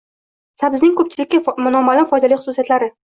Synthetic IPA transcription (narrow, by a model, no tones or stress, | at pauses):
sabɪznɪŋkʰɵp̚t͡ʃʰɪlɪkʲːamʊnɒmːalɪfɒjd̪alijχʊ̥sʊsijat̪laɾɪ